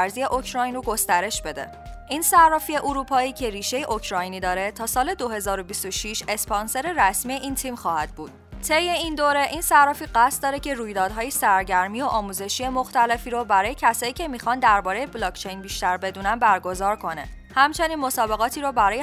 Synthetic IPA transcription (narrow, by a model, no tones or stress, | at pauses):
ɾzije̞ʔo̞cʰɾɒːjnoɡo̞st̪æɾe̞ʃbe̞d̪ḛ | ʔiːnsærɒːfie̞ʔuɾuːpʰɒːiːcʰe̞ɾiːʃe̞jeʔocʰɾɒːjniːd̪ɒːɾe̞t̪ʰɒːsɒːle̞d̪o̞ɦe̞zɒːɾobist̪oʃiʃe̞spʰɒnse̞ɾeɾæsmieʔiːnt̪ʰimxɒːhæd̪̥̚buːd̪̥ | t̪ʰe̞jːe̞ind̪oːɾe̞ʔinsærɒːfiːɢæst̪̚d̪ɒːɾe̞cʰe̞ɾuːjd̪ɒːd̪ɦɒːjesæɾɟæɾmiːoʔɒːmuːze̞ʃije̞moxt̪æle̞fiːɾɔbæɾɒːjecʰæsɒːiːcʰe̞miːxɒnd̪æɾbɒːɾejeblɒːct͡ʃʰe̞jnbiːʃt̪æɾbe̞d̪uːnænbæɾɡo̞zɒːɾkʰo̞ne̞̰ | hæmt͡ʃʰe̞niːnmo̞sɒːbe̞ɣɒːt̪ʰiːɾɔbæɾɒːje